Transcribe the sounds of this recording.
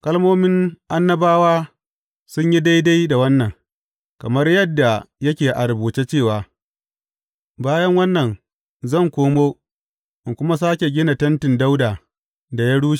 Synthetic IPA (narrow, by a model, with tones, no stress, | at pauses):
kɐ˦lmoː˦mɪ˦ŋʔa˦nːɐ˦baː˦waː˦ | sʊ˦ɲji˦da˦jda˦jda˨wɐ˦nːɐ˨ŋ | kɐ˨mɐ˦rjɐ˦dːa˨jɐ˦kʲeː˨ʔa˨ɾbuː˨t͡ʃe˦t͡ʃeː˦˨waː˨ | baː˦jɐ˦ŋwɐ˦nːɐ˨ŋ | zɐ˦˨ŋkʷoː˦moː˦ | ʔɪ˨ŋkʷʊ˦ma˦s̬aː˦kʲe˨ɡʲɪ˦na˨tɐ˦ntɪ˨nda˦wdaː˨ | da˨ja˦ɽuː˦ʃ